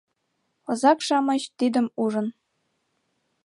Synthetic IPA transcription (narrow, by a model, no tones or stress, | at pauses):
ɤ̆zɑkʂɑmɤ̆ɕt̪ʲid̪ʲɘ̆muʐɤ̆n